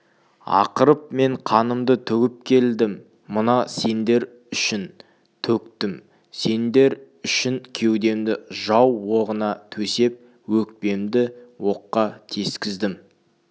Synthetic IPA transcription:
ɑ̰qəɾəp̚me̞ɴqʰɑnəmd̪ət̪ʰɵɡʲɪp̚kʲʰe̞ld̪ɪmː | ʊnɑse̞nd̪e̞ɾ | ʏʃɪn | t̪ʰɵkt̪ɪm | se̞nd̪e̞ɾ | ʏʃɪŋkʲʰe̞wd̪e̞md̪ɪʒɑwːo̞ʁənɑt̪ʰɵse̞p̚ | wɵkpe̞md̪ɪwo̞qːɑt̪ʰeskʲɪzd̪ɪm

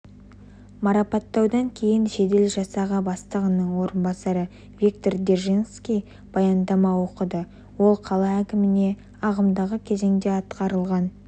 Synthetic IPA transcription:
mɑɾɑpɑt̪ːɑwd̪ɑŋkʲʰe̞jɪnʒe̞d̪e̞lʒɑsɑʁəbɑst̪əʁənːəɴwo̞ɾənbɑsɑɾə | vik̚t̪o̞rd̪e̞rʒinskʲij | b̥ɑjɑnd̪ɑmɑwo̞qəd̪ə | wo̞lˠqʰɑlˠɑækʲɪmɪne̞ | ɑʁəmd̪əʁəkʲʰe̞ze̞ŋd̪e̞ɑt̪qɑɾəlˠʁɑn

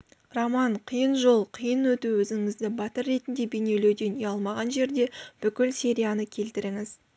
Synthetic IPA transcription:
romɑɴqʰijənʒo̞lˠqʰijənwɵt̪uwɵzɪŋɪzd̪ɪbɑt̪əɾːe̞t̪ɪnd̪e̞bejne̞le̞wd̪e̞nijɑlˠmɑʁɑnʒe̞ɾd̪e̞b̥ʏkʲɪlsʲe̞ɾʲijanəkʲʰe̞lt̪ɪɾɪŋɪz̥

